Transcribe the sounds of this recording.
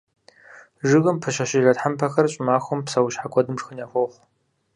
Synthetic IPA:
ʐɨɣɨmpʰɨʃɐʃɪɮɐtħampʰɐxɐrɕʼɪmaːxʷɔmpsɐwʃħakʷʰʼɔdɨmrxɨnjaːfʷoχʷ

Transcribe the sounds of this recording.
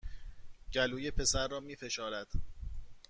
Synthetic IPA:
ɟæluːjepʰe̞sæɾːɒːmiːfe̞ʃɒːɾæd̪̥

